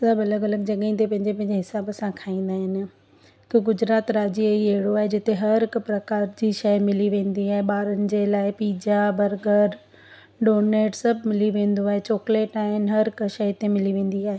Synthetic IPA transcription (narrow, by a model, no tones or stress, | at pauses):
sɐbɐləɡɐləɡ̚d͡ʑɐɠĩnt̪epɐ̃ɦɪ̃ɲd͡ʑepɐ̃ɪ̃ɲd͡ʑeɦɪsaːbɐsãkʰaːĩːn̆d̪aːɦɪnɪ̆ | t̪oɡʊd͡ʑɾaːt̪ɾaːd͡ʑieiɐɦɪɽoaːɦed͡ʑɪt̪eɦɐɾɾɦɪkpɾɐkaːɾd͡ʑiːʃɐjmɪliʋẽːn̆d̪iaːɦeɓaːɾənɪ̆d͡ʑeːlaːɪpiːd͡ʑabɐɾɡəɾ | ɖoːneːʈsɐbʱmɪliʋẽːn̆d̪oaːɦet͡ɕɔːkleːʈaːɦɪnɪ̆ɦɐɾɪkʃɐjt̪emɪliʋẽːn̆d̪iaːɦe